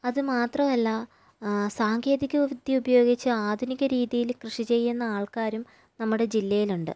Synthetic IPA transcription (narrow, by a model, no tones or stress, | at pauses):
ɐðɨmaːt̪rɐmɐlːɐ | saːŋɡje̞ːðikʲːɐʋɐʋud̪ʱjiubɐjo̞ːɡit͡ɕːɨaːd̪ʱuniɣʲɐɾiːðijilkrɨʂit͡ɕe̞jːunːɐaːɭkaːɾum | nɐmːuɽe̞d͡ʑilːɐjiluɳɖɨ̰